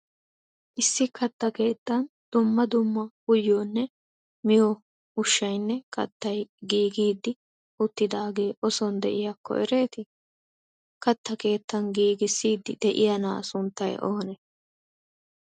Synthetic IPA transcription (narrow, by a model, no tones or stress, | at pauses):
ʔɪsːɪkɐt̪ːɐke̞ːt̪ːɐnd̪̥ʊmːɐd̪ʊmːɐhʊjːoːnːɛ | mɪjo | ʊʃːɐjnːɛkɐ̰t̪ːɐjɡiːɡiːd̪ːɪ | ʊt̪ːɪd̪aːɡe̞ːʔɔsɔnd̪ɛ̰ʔɪjɐkʰːɔ̰ʔɛ̰ɾe̞ːt̪ɪ | kɐt̪ːɐke̞ːt̪ːɐnɡiːɡɪsːiːd̪ːɪ̰d̪̥ɛʔɪ̰jɐna̰ːsʊnt̪ːɐjʔo̰ːnɛ